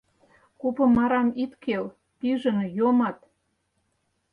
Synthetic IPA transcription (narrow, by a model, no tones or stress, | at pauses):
kupɤ̆mɑɾɑmit̪kʰel | piʒə̆njomɑt̪